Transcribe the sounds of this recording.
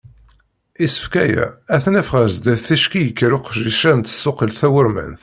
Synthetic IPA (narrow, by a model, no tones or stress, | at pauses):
isə̥fkæjæ̰æθnæfʁəɾzd̪æθθæʃkijəkːɾʊqʒiʃænt̪sʊqəlθæwəɾmæ̰nθ